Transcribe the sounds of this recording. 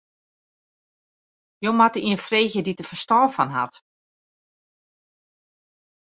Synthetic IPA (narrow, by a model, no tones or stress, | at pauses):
jomatəiənfreːçjəditəfəstɔːfɔnɦa̰t